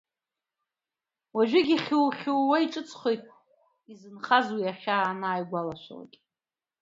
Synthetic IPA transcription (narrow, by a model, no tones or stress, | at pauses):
waʒʷᶣɪɡʲiχʲuwχʲuwwaiʈ͡ʂʼɨt͡sʼʰχʷo̞jtʼ | izɨnχazwiaχʲaːnaːjɡʷalaʃʷa̰la̰kʲʼ